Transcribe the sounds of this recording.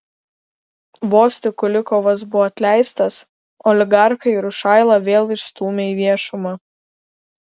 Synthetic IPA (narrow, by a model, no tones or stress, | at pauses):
ʋoːsʲt̪ʲɪkʊlʲɪkɔʋɐs̬bʊʋɔːɐt̪ʲlʲæˑɪst̪ɐs | ɔlʲɪɡɑˑɾxɐɪɪɾʊʃɑˑɪlˠɑʋʲeːlˠɪʃst̪uːmʲeːiːʋʲiɛʃʊmɑ